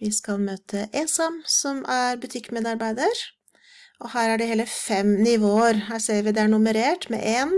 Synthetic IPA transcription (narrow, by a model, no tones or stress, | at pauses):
ʋɪskɑlmøːt̪ʰəʔesɑmsɔmʔæɾbʉt̪ʰɪkːmeːd̪ɑɾbæɪd̪əɾ | ʔɔhæːɾæɖɛheːləfɛmnɪʋoːəɾɦæːseːəɾʋɪd̪ɛæɳʊməɾeːʈmɛ̰ʔeːn